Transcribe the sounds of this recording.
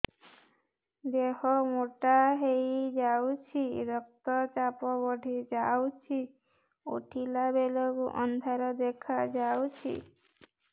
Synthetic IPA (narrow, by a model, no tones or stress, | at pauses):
d̪eɦɔmoʈaɦejd͡ʒawt͡ʃʰiɾɔk̚t̪ɔt͡ʃapɔbɔɖʱid͡ʒawt͡ʃʰi | o̰ʈʰilabelɔkuʔɔnd̪ʱaɾɔd̪ekʰad͡ʒawt͡ʃʰḭ